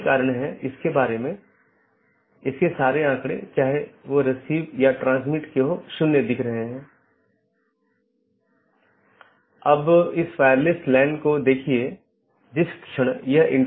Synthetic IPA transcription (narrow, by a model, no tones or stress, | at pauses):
kaːɾəɽ̃ɦɛ̃ɪskebaːɾemẽ | ɪskesaːɾeãːkɽ̃ḛ̃t͡ʃaːɦeʋoɾɐsiːbjaʈɾãːns̬mɪʈkeɦoʃʊnːed̪ɪkʰɾɐɦeɦɛ̃ː | ɐbɪsfaːəɾlɪsʈlɛ̃ːnɖkod̪eːkʰie | d͡ʒɪskʃʰəɽ̃jɐɦɪ̰̃ɳ